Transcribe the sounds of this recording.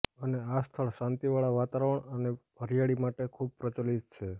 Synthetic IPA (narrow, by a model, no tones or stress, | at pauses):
əneast̪ʰəɭʃãnt̪iʋaɭaʋat̪aɾəəɳənebʱəɾijaɭimaʈekʰub̚pɾət͡ʃəlit̪̚t͡ʃʰe